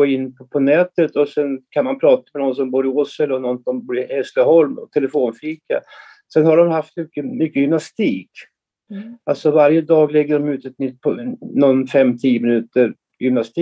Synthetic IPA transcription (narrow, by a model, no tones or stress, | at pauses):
oːɪnːpʰɔpʰɔnɛːt̪ət̪ɔsɛnkʰanmanpʰɾɑːt̪ḁmɛnɔns̬ɔmbuːɾɪɔsɛlɔnɔnsɔmbuːɾɪhɛst̪əɦɔlmɔ̰t̪ʰɛləfoːnfiːka̰ | sɛnhaɖɔmhaft̪mʏkːəmʏkːəjʏmnast̪iːk | alt̪sɔvaɾjəd̪ɑːɡlɛɡːəɖɔmʉ̟ːt̪ɛt̪nʏt̪̚ːpʰɔnɔnfɛmːt̪ʰiːəmɪnʉ̟ːt̪əɾ | jʏmnast̪iː